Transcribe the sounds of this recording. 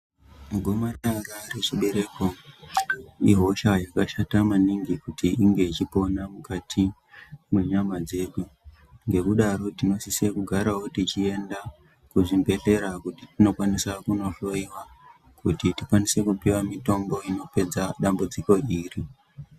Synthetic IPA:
maɡʱo̞marararet͡ʃiɓe̞ɾe̞ko | iɦo̞ʃajakaʃatamaniŋɡikutiiŋɡe̞it͡ʃipo̞namukatʰi | mwe̞ɲamad͡ze̞ɗu | ŋɡe̞kuɗaɾo̞tino̞sise̞kuɡʱaɾawoutit͡ʃie̞nda | kuʐimbe̞ɬe̞ɾakutitino̞kwanisakuno̞ɬo̞iwa | kutitikwanise̞kupiwamito̞mbo̞ino̞pe̞d͡zaɗambud͡ziko̞iːri

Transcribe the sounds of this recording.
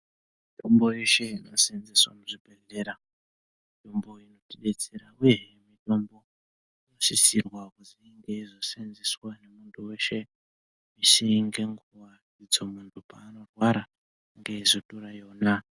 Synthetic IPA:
mito̞mbo̞jeʃe̞ino̞senzeswa̰muʐibʱe̞ɮe̞ɾa | mito̞mbo̞ino̞tiɗet͡seɾaujeemito̞mbo̞ | nosisirwakuziŋɡe̞izo̞senzeswane̞muntʰuwe̞ʃe̞ | misiŋɡe̞ŋɡuwa | id͡zo̞muntʰupaːno̞rwaɾa | ŋɡeizotoɾajo̞na

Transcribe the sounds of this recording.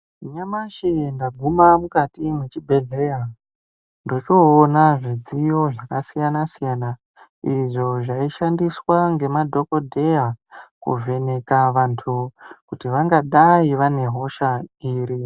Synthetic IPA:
ɲamaʃindaɡʱumamukatimwe̞t͡ʃibʱe̞ɮeja | ndo̞t͡ʃoːnaʐid͡zijo̞ʐakasijanasijana | iʐo̞ʐaiʃandiswaŋɡe̞madʱo̞ko̞dʱe̞jakṵve̞ne̞kaʋantʰukutiʋaŋɡaɗaiʋane̞ɦo̞ʃaiːɾi

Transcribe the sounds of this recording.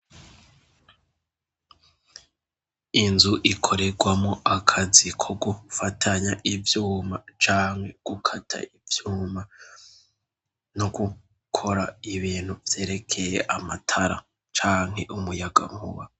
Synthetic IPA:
inzuʔikʰo̞ɾe̞ɡwamŋo̞ʔakʰazikʰo̞ɡufatʰaɲaʔivjuːmat͡ʃaːŋhe̞ɡ̥ukʰatʰa̰ivjuːma | noɡu | kʰo̞ɾaiβiːn̥huvje̞ːɾe̞kʰe̞jeʔamatʰaɾa̰ | t͡ʃaːŋ̥ɦe̞ʔumujaɡa̰mhuβa

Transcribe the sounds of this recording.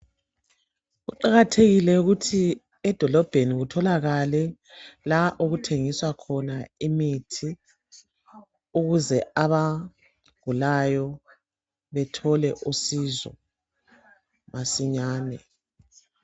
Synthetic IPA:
ɣṵǃaɣatʰeɣilɛuɣutʰi | ɛd̥ʱɔlɔb̥ʱeniɣutʰɔlaɣalɛ | laʔuɣutʰeŋiswakʰɔnaimitʰi | uɣuzɛaβa | ɡ̥ulajɔ | βɛtʰɔlɛʔusizɔ̰ | masiɲaːnɛ

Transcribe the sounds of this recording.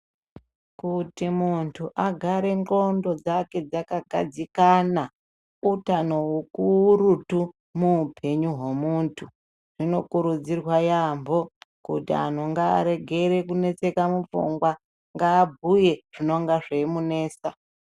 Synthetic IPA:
kutimuntʰuʔaɡʱaɾe̞ŋɡo̞ndo̞d͡zake̞d͡zakaɡʱa̰d͡zikana | utano̞ukurutu | muːpʰe̞ɲuɦwe̞muntʰu | ʐ̥ino̞kuɾud͡zirwajambo̞kṵtia̰n̤oŋɡa̰ːɾe̞ɡʱe̞ɾe̞kune̞t͡se̞kamufṵŋɡwa | ŋɡaːbʱuje̞ʐ̥ino̞ŋɡaʐemune̞ːsa

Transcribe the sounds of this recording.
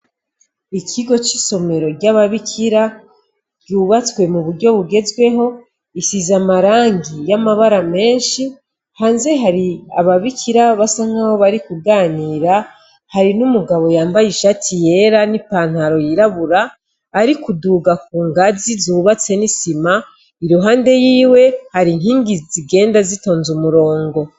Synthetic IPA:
ikʰiɡo̞t͡ʃiso̞me̞ɾo̞ɾɟaβaβikʰiɾa | ɟuːβat͡swe̞muβuɾɟo̞βuɡe̞zɡwe̞ɦo̞ | isizamaɾaːŋɡijamaβaɾame̞ːnʃi | haːnze̞ɦaɾia̰βaβikʰiɾaβasaŋ̥aho̞βaɾikuɡaːniːɾa | haɾinumuɡaβo̞jaːmbajiʃatʰije̞ɾanipaːn̥haɾo̞jiɾaβuɾaː | ɾikuduːɡak̚uːŋɡazizuβat͡se̞nisima | iɾuɦaːnde̞jiːwe̞haɾin̥hiːŋɡiziɡe̞ːndazito̞ːnzumuɾo̞ːŋɡo̞

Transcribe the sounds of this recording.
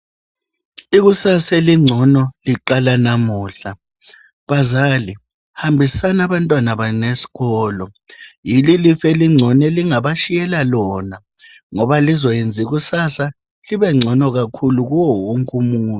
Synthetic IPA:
iɣusaseliŋ͡ǀʱɔnɔliǃalanamuːɬa | βazali | hambʱisanaβantʼwanaβanesi̥ɣɔːlɔ | jililifeliŋ͡ǀʱɔnɛliŋaβaʃijɛlalɔːna | ŋɔβalizɔjend͡zʱiɣ̬usasa | liβɛŋ͡ǀʱɔnɔɣakʰuluɣ̬uwɔwoŋkʼumuːnu

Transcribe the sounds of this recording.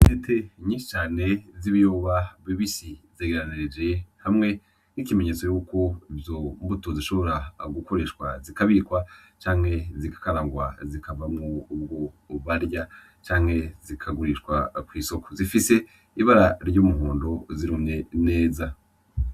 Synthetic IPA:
netʰeɲiːnʃi̥t͡ʃaːne̞ziβijoːβaviβisizeɡeɾaniɾed͡ʒe̞hamŋe̞ | nikime̞ɲe̞ːt͡so̞juːko̞ivjombutoziʃo̞βo̞ɾaɡuko̞ɾe̞ʃkwa̰zikaβikwat͡ʃaːŋ̥he̞zikḁkaɾaŋɡwazikavamŋoːb̚ɡo | βaɾja | t͡ʃaːŋ̥he̞zikʰaɡuɾiʃkwakwiːso̞ko̞zifise̞ | iβaɾaɾjuːmuhuːndo̞ziɾumɲe̞ne̞ːza

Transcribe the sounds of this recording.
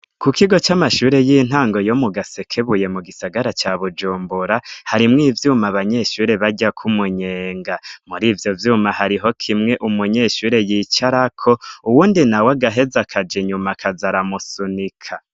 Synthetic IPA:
kukiɡo̞t͡ʃamaʃuːɾe̞jin̥ɦaːŋɡo̞jo̞muɡase̞kʰeβuje̞muɡisaɡaɾat͡ʃaβud͡ʒuːmbuɾahaɾimŋiːvjuːmaβaɲeʃuːɾe̞βaɟakʰumuɲeːŋɡamuɾiːvjo̞vjuːmahaɾiɦo̞kʰimŋe̞ʔumuɲe̞ːʃuːɾe̞jit͡ʃaɾakʰo̞uwuːndinawaɡaɦe̞zakʰad͡ʒeɲumakʰazaɾamusunikʰa

